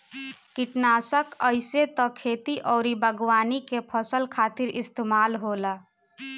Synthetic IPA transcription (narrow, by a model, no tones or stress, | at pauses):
kiʈnasəkəɪset̪ɔ̃kʰeːt̪iʔɔːɾibʱəɡwaːnikepʰəsəlkʰaːt̪iɾɪst̪emaːlɦola